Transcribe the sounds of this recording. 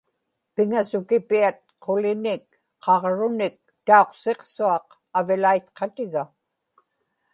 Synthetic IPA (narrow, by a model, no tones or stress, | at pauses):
pɪŋasʊkɪpiat̪̚qʰolɪnɪk | qʰɑʁɻʊnɪk̚t̪ao̞qse̞qsuɑq | avɪlajt̪qʰɑt̪ɪɣa